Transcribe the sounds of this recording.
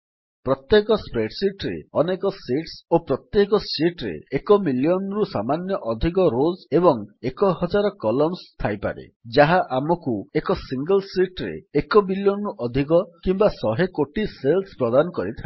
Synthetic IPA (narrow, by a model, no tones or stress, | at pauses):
pɾɔt̪jekɔspɾeʈsiʈɾḛɔnekɔsiʈsopɾɔt̪jekɔsiʈɾḛːkɔmiljɔnɾusamanjɔʔɔd̪ʱikɔɾod͡ʒebɔŋekɔɦɔd͡ʒaɾɔkɔlɔmst̪ʰajpa̰ɾḛd͡ʒaɦaʔamɔkuekɔsiŋɡɔlsiʈɾḛekɔmiljɔnɾuʔɔd̪ʱikɔkimbasɔɦekoʈiselspɾɔd̪anɔkɔɾit̪ʰae